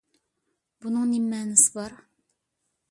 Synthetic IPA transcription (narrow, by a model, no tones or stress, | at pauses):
bunɨŋnimːɛːnɪsɪ̥bɑɾ